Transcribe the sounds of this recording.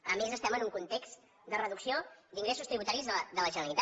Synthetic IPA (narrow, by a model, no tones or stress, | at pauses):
əmezəst̪ɛmənuŋkunt̪ekst̪ | d̪ərəðuksiod̪iŋɡɾesust̪ɾiβut̪aɾizðəd̪ələʒənəlit̪a